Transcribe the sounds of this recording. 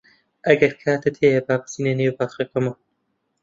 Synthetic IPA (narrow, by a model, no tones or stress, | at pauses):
ʔɐɡɐɾkʰaːt̪ɨt̪ʰeːjɐbaːpsiːneneːwbaːxɐkɐmɐ